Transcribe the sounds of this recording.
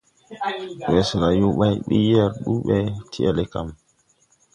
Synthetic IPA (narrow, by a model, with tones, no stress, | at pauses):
wɛ˨sɾa˨ju˦ɓa˦jɓḭ˦ja˦ɾɗu˦ɓɛ˦tʰi˦ɛ̰˨le˦ka̰˨m